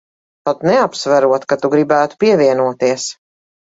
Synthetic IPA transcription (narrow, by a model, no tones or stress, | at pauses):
t̪ɔt̪nɛapsvæɾuɔt̪kat̪uɡɾibæːt̪u̥piɛviɛnuɔt̪iɛs